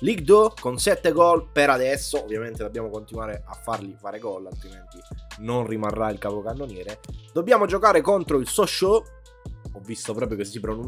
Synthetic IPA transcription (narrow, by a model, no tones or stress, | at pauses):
liɡ̚d̪okonsɛt̪ːeɡɔlpeɾad̪ɛsːoovːjament̪ed̪objaːmokont̪inwaːɾeʔa̰fːarlifaːɾeɡɔlalt̪ɾiment̪inonrimarːailkapokanːonjɛːɾed̪̥obːjaːmod͡ʒokaːɾekont̪ɾoilsɔʃo | ɔvːist̪opɾɔːpɾjokesːipɾunu